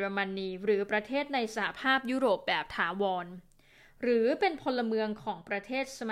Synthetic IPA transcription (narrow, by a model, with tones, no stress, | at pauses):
ɾa˧ma˧nːiː˧ɾɯː˩˦pɾa˧t̪ʰeː˥˩t̪̚na˧jsa˧ha˧pʰaː˥˩p̚juː˦˥ɾoː˨˩p̚bɛː˨˩p̚t̪ʰaː˩˦wɔː˧n | ɾɯː˩˦pe˧npʰo˧nlːa˧mɯ˧əŋkʰɔː˩˦ŋpɾa˧t̪ʰeː˥˩t̪̚sa˧ma